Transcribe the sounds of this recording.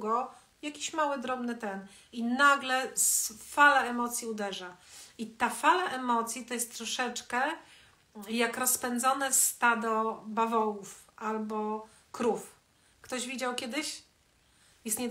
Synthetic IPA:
ɡɔ | jakʲiɕmawɘd̪ɾɔbnɘt̪ɛn | inaɡlɛsfalaɛmɔt̪sʲjiud̪ɛʐait̪afalaʔɛmɔt̪sʲjit̪ɔjɛst̪ːɾɔʂɛt͡ʂkɛ | jakɾɔspɛnd̪zɔnɛst̪ad̪ɔbavɔwufalbɔ | kɾuf | kt̪ɔʑvʲid͡ʑawkʲjɛd̪ɘɕ | jɛst̪ɲɛ

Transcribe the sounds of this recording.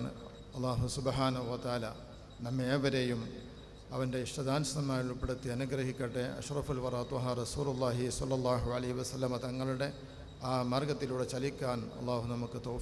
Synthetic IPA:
n | ɐlˤːaːɦusubħaːnɐɦuʋɐt̪ɐaːla | nɐmːeːʋɐɾejum | ɐʋɐnde̞iʂʈɐd̪aːnsɐnɐmːaːjiɭupːeɽut̪ːiɐnuɡrɐɦikʲːɐʈːeɐ̰ɕrɐfilʋɐraːt̪ːuɦaːrɐsuːlulˤːaːɦisɐlːɐlˠˤːaːɦuɐlɐɦiʋɐsɐlːɐmɐt̪ɐŋːɐɭuɽe̞ | aːmɐrɡɐt̪ːiluːɽet͡ɕɐlikʲːaːnɐ̰lˠˤːaːɦunɐmukːɨt̪oː

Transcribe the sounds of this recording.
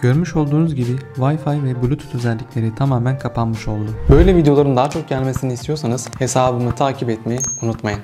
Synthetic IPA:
ɟ̥øɾmyʃo̞lˠd̪uːnuzɟibivajfajvɛbulʲut̪ʰu̥t̪ʰø̞zɛlʲːicʲlʲe̞ɾit̪ʰamaːmænkʰapʰanmɯʃo̞lˠd̪ʊbø̞jlʲɛvid̪eo̞lˠaɾɯnd̪at͡ʃʰo̞k̚ɟælʲme̞sinist̪ʰijo̞ɾsanɯz̥he̞saːbɯmɯt̪ʰaːcʰipɛt̪mejiunut̪majɯn

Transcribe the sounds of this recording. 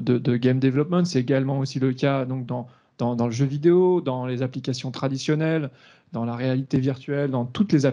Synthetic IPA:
d̪əd̪əɡʲɛmd̪evlɔpmɑ̃t̪sɛeɡalmɑ̃osiləkʲad̪ɔ̃k̚d̪ɑ̃ | d̪̥ɑ̃d̪ɑ̃ləʒøvid̪eod̪ɑ̃lezaplikʲasjɔ̃t̪χad̪isjɔnɛl | d̪ɑ̃laʁealit̪eviʁt̪ɥɛld̪ɑ̃t̪ut̪leza

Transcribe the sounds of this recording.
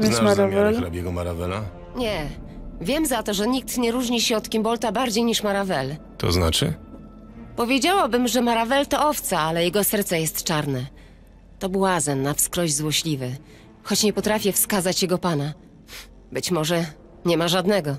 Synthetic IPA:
vnmaɾavɛlɾabʲjɛɡɔmaɾavɛla | ɲɛvʲjɛmzat̪ɔʐɛɲik̚t̪ɲɛɾuʐɲiɕɛɔt̪kʲimbɔlt̪abaɾd͡ʑejɲiʂmaɾavɛl | t̪ʰɔ̰zna̰t͡ʂɘ̰ | pɔvʲjed͡ʑawabɘmʐɛmaɾavɛlt̪ɔɔft̪saalɛjɛɡɔsɛɾt̪sɛjɛst̪t͡ʂaɾnɛ | t̪ɔbwazɛnːafskɾɔʑzwɔɕlʲivɘ | xɔt͡ɕɲɛpɔt̪ɾafʲjɛfskazat͡ɕjɛɡɔpana | bɘt͡ɕmɔʐɛ | ɲɛmaʐad̪nɛɡɔ

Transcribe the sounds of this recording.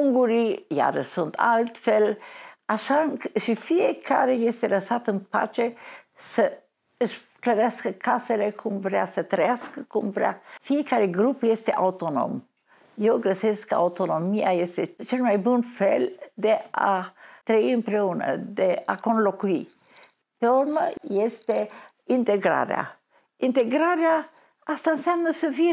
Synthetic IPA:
uŋɡuɾija̰ɾəsunt̪ʰa̰lt̪fɛlaʃanʃifiɛkʰaɾɛjɛst̪ɛlasat̪ənpa̰t͡ʃɛ | sə | əʃ | kləɾɛskkasɛlɛkʰumvɾa̰sət̪ɾɛaskkumvɾa̰fiɛkaɾɛɡɾupjɛst̪ɛʔa̰ut̪ɔnɔ̰m | jɔɡɾəsɛska̰wt̪ɔnɔmiajɛst̪ɛt͡ʃənmajbunfɛld̪ɛa̰t̪ɾɛimpɾɛunə̰d̪ɛakɔnlɔkui | t̪ɔɾməjɛst̪ɛ | int̪ɛɡɾa̰ɾ̰a̰ | int̪ɛɡɾaɾɛa | ast̪ansɛmnəsəvi

